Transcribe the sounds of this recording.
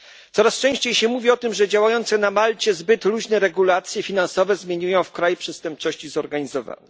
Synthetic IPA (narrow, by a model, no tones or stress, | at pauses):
t̪sɔɾast͡ʂɛ̃w̃ɕt͡ɕejɕɛmuvʲiɔt̪ɘmʐɛd͡ʑawajɔnt̪sɛnamalt͡ɕɛzbɘt̪luʑnɛɾɛɡulat̪sʲjɛfʲinansɔvɛzmʲjeɲujɔ̃w̃fkɾajupʂɛst̪ɛmp̚t͡ʂɔɕt͡ɕizɔɾɡaɲizɔva̰nɛ